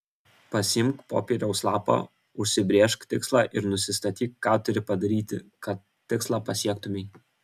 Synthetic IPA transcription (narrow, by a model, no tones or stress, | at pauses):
pɐsʲɪmkpo̰ːpʲeːɾʲɛʊslˠɑːpo̰ː | ʊʃʲsʲɪbʲɾʲeɛʃkt̪ʲɪkslˠɑːʔɪɾnʊsʲɪst̪ɐt̪ʲiːkkːɑːt̪ʊɾʲɪpɐd̪ɐɾʲiːt̪ʲɪ̰kɐt̪ːʲɪkslˠɑːpɐsʲiɛkt̪ʊmʲɛɪ